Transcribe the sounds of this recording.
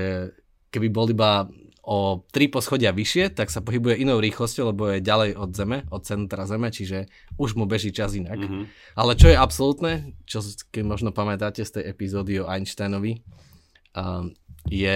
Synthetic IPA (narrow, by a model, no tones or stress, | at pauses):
ɛ | kɛbibɔlibaɔt̪ɾipɔsxɔɟɪaʋiʃɪɛt̪aksapɔɦibujɛʔinɔʊɾiːxlɔscɔʊlɛbɔjɛɟalɛjɔd̪zɛmɛʔɔt̪̚t͡sɛnt̪ɾazɛmɛt͡ʃiʒɛ | uʒmubɛʒiːt͡ʃazinak | alɛt͡ʃɔjɛapsɔlut̪nɛt͡ʃɔkɛmɔʒnɔpamɛt̪acɛst̪ɛjɛpizɔːd̪iɔʔajnʃt̪ajnɔʋi | jɛ